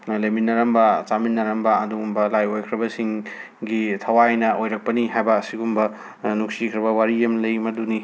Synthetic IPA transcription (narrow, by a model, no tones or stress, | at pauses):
leminɐɾɐmbɐt͡ʃaminːɐɾɐmbɐɐduŋumbɐlajojkʰɾɐbɐsiŋ | ɡitʰɐwajnɐojɾɐk̚pɐniɦajbɐːsiɡumbɐ | nuk̚sikʰɾɐbɐwaɾijemlɐjmɐduni